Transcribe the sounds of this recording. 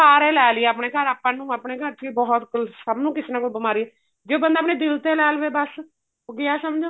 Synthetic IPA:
aːɾeːlɛːlɪeːəpɳeːɡəɾaːpːãːnũːəpɳeːɡəɾt͡ʃiːbɔːt̪kəlsəbnũːkɪsnãːkʊbəmaːɾiɛ | d͡ʒeːbənd̪aːp̬neːd̪ɪlt̪eːlɛːlʋeːbəs | oɡɪjaːsəmd͡ʒoː

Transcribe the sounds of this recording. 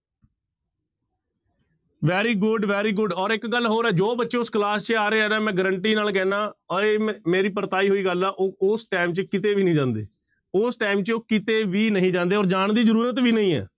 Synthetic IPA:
ʋɛːɾiːɡʊɖʋɛːɾiːɡʊɖɔːɾɪkɡəlɦoːɾɛːd͡ʒoːbətːʃẽːʊsklaːst͡ʃaːɾeːɛːaːmɛ̃ːɡəɾəɳʈiːnaːlk̬ɛ̃ːnãːəeːmeːɾiːpəɾt̪aːiːɦoːiːɡəlɛːʔoːʊsʈaːɪmt͡ʃkɪt̪eːʋiːnəĩːd͡ʒãːnd̪ḛː | ʊsʈaːɪmt͡ʃoːkɪt̪eːʋiːnəɦĩːd͡ʒãːnd̪eːɔːɾd͡ʒaːɳd̪iːzəɾuːɾət̪̬ʋiːnəɦĩːɛ̰ː

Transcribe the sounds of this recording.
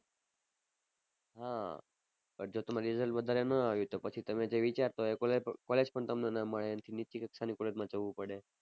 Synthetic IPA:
ɦã | pəɾd͡ʒot̪əmaɾizəlʋəd̪ʱaɾenəaʋjũt̪opət͡ʃʰit̪əmed͡ʒeʋit͡ʃaɾt̪oekɔled͡ʒpəɳt̪əmnenamːəɭeənət̪ʰinit͡ʃikəksanikoleɾmãd͡ʒəʋũpəɽe

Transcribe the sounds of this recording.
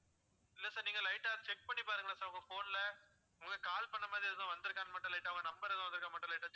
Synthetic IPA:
ɪlːɐsaːɾniːŋɡɐlɐɪʈːaːɾt͡ʃɛk̚pɐɳːipaːɾɯŋɡɐnːaːsaːɾɐʋɐŋɡɐfoːnlɐ | ɐŋɡɐkaːlpɐɳːɐmaːðɾiɐðãʋɐnd̪ɯɾɯkːaːnmɐʈːʊ̃lɐɪʈːaːʋɐŋɡɐnɐmbɐɾɐðɐ̃ʋɐnd̪ɾɯkaːmɐʈːʊ̃lɐɪʈːaː

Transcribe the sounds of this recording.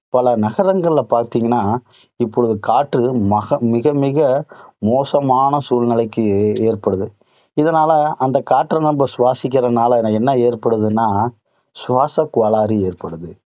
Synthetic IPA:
pɐlɐnɐɣɐɾɐŋɡɐɭɪlpaːɾt̪iːŋɡɐnːaː | ɪpːɔɻɯðɯkaːʈrɯmɐɣɐmɪɣɐmɪɣɐmoːsɐmaːnɐsuːlnɪlɐɪkːɯeːɾpɐɽɯðɯ | ɪðɐnaːlɐɐnd̪ɐkaːʈːɾɐnɐmbɐsʊʋaːsɪkʲːɪɾɐnaːlɐɛnɐɛnːɐeːrpɐɽɯðɯnːaː | sʊʋaːsɐkːʊʋɐlaːɾieːrpɐɽɯðɯ

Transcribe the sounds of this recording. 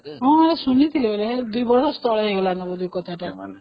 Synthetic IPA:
ɦɔ̃esunit̪ʰilebeled̪ujbɔɾsɔst̪ɔɭeɦeɦolanɔbɔd̪ujkɔt̪ʰaʈaa

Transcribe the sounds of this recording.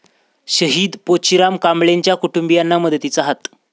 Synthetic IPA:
ɕəɦiːd̪pot͡ɕiɾamkamɭeɲt͡ɕjakuʈumbijanːaməd̪ʱət̪it͡saɦat̪

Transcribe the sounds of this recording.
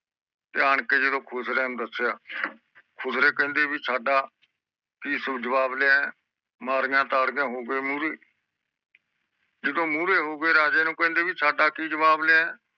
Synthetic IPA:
t̪eːaːɳkeːd͡ʒɪd̪õːkʰʊsɾɛ̃ːnũːd̪əseaː | kʰʊsɾeːkə̃ːnd̪eːbiːt͡ʃʰaːɖaː | kiːsʊbd͡ʒəʋaːbleã | maːɾɪjãːt̪aːɾɡjãːɦoːɡeːmuːɾeː | d͡ʒɪd̪õːmuːɾeːɦoːɡəeːɾaːd͡ʒeːnũːkə̃ːnd̪eːbiːt͡ʃʰaːɖaːkiːd͡ʒəbaːbleãɛ̃ː

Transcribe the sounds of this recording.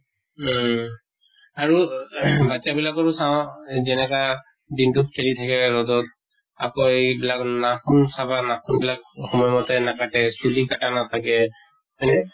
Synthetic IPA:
aɹubat͡ʃabilakɔɹʊsaʊ̃zɛnɛka | dintut̚kʰeɹit̪ʰakɛɹɔdɔt̚ | a̰pɔjbilaknakʰunsabanakʰunbilakxɔmɔjmɔtɛnakatɛsulikatanat̪ʰakɛ | ɛnɛ

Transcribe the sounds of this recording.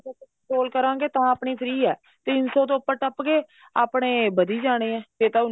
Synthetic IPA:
oːəɳʈɾoːlkəɾãːŋɡeːt̪əãːaːpɳiːt̪ʰɾiːɛː | t̪ɪnsɔːt̪õːpːəʈəpɡeː | aːpɽ̃eːbəd̪iːd͡ʒaːɽ̃eːɛ̃ːeːt̪ã

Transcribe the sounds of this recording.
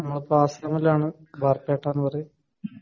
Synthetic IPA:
nɐmːɐɭpaːsɐmɐlaːɳɨ | barpjeːʈːaːnːɨpɐrej

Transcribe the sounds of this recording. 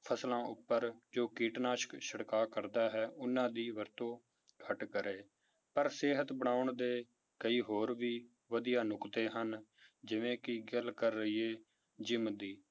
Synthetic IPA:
pʰəslãːʔʊpːəɾd͡ʒoːkiːʈnaːʃə̥kʃəɽkaːkəɾd̪aːɦɛːʔʊnːãːd̪iːʋəɾt̪õː | ɡʰəʈkəɾeː | pəɾseːɦət̪bəɽ̃aːʊɳd̪eː | kəiːɦoːɾʋiː | ʋəd̪ijaːnʊkt̪eːɦənd͡ʒɪʋẽːkɪɡəlkəɾːəiːeː | d͡ʒɪmd̪iː

